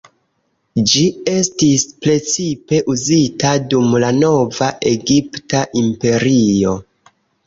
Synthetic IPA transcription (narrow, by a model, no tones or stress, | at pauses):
d͡ʒie̞stispɾe̞t͡sipe̞ʔuzitadumlano̞vaʔe̞ɡiptaʔimpe̞ɾio̞